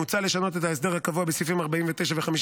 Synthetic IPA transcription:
ut͡sale̞ʃano̞t̪et̪haes̬d̪eʁhakavuabesifimaʁbaimvet̪e̞jʃaveχamiʃ

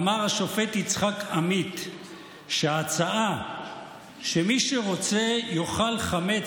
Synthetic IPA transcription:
maʁaʃo̞fet̪it͡sχakamit̪ | ʃeat͡saa | ʃemiʃeʁo̞t͡se̞joχalχame

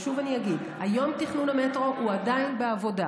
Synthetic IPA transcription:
ʃuvanijaɡid | ajo̞mtiχnuname̞tʁouadainbeavo̞da

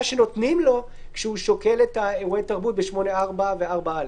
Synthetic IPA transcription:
ʃeno̞t̪nimlo̞ | kʃeuʃo̞ke̞letaeʁuetaʁbut̚beʃmo̞neaʁbaveaʁbaal

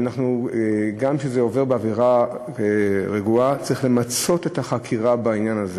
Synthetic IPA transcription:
anaχnuɡamʃezeo̞ve̞ʁbeaviʁa | ʁeɡuat͡sʁiχle̞mat͡so̞te̞taχakʰiʁabainjanaze

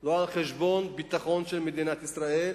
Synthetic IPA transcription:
loanχeʃbɔnbit̪ːaχɔnt͡ʃelmed̪inat̪isɾael

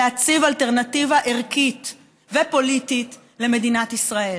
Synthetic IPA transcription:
at͡sivalteʁnativaʔeʁkit̪ | vepo̞litit | le̞me̞dinatisʁae̞

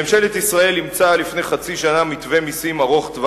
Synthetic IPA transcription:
emʃe̞let̪isʁae̞limt͡salifne̞jχat͡siʃanamit̪ve̞misimaʁo̞χt̪va

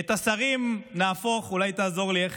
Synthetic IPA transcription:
et̪asaʁimnaːfo̞χulajt̪aːzo̞ʁlieχ

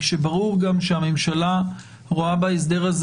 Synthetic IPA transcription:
ʃebaʁuʁɡamʃehamemʃala | ʁoabaes̬d̪e̞ʁaz

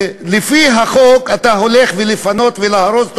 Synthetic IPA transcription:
lefiɦaχokat̪aɦo̞leχvelefano̞t̪velaaɾozt̪

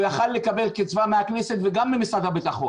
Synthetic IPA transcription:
jaχalːe̞kabe̞lkit͡svameakneset̪veɡamːimisad̪habit̪aχo

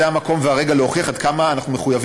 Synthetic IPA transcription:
eamako̞mveaʁeɡaleoχiaχad̪̚kamaːnaχnume̞χujav

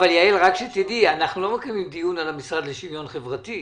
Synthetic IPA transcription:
valjaelʁakʃet̪id̪ianaχnulo̞mekimimd̪ijunalamisʁad̪leʃimjo̞nχevʁat̪i

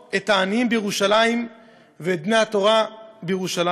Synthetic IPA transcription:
et̪aːniimbejeʁuʃalaim | veːt̚bnejhat̪o̞ʁabejeʁuʃala

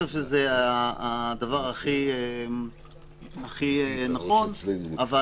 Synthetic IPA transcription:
evʃezeaad̪avaʁaχiem | aχienaχo̞nava

